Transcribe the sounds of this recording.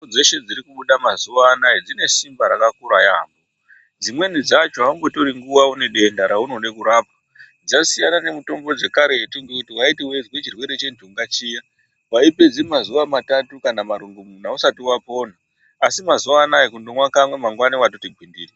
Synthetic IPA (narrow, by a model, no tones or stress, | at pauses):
d͡ze̞ʃe̞d͡ziɾikuɓuɗamazuaːnajid͡zine̞simbaɾakakuɾajambo | d͡zimwe̞nid͡zat͡ʃoɦaumbo̞to̞ɾiŋɡuwaune̞ɗe̞ndaɾaunone̞kuɾaːpḁ | d͡zasijanane̞muto̞mbo̞d͡ze̞kaɾe̞tiŋɡekutiwaitiwe̞d͡zwe̞t͡ʃirwe̞ɾe̞t͡ʃe̞ntʰuuŋɡat͡ʃiːja | ʋaiped͡zimazuʋamatatukanamaɾuŋɡomun̤ausatiwapo̞ːn̤aː | simazuʋaːnaikundo̞mwakamwe̞maŋɡwaniwatotiɡʱwindiːri